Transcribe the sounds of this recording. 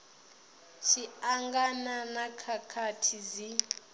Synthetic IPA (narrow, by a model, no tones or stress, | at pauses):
ʃiaŋɡananakʰakʰatʰizi